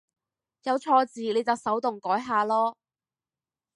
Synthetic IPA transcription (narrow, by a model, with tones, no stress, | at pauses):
jɐ˨˧wt͡sʰɔː˧t͡siː˨ne˨˧jt͡sɐ˨wsɐ˨˥wt̪ʊ˨˩ŋkɔː˨˥jɦaː˨˧lɔː˥